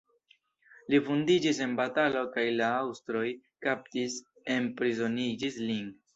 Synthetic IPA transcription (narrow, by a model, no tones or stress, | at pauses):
lifundid͡ʒise̞nbatalo̞kajlaawstɾo̞jkap̚tis | e̞npɾizo̞nid͡ʒislin